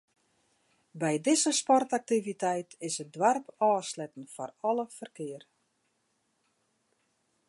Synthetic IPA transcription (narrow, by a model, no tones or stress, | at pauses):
bɛjdɪzəspɔrtak̚tivitɛjtɪsədwarpɔːslɛtən̩fɔrɔləfərkɪər